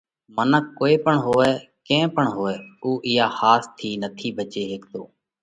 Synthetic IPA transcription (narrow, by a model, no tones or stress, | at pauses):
mənəkːoːeːpəɳɦoːɛː | kẽːpəɳɦoːɛːuːʔɪjaːhaːst̪ʰiːnət̪ʰiːbʱət͡ʃeːɦeːk̚d̪oː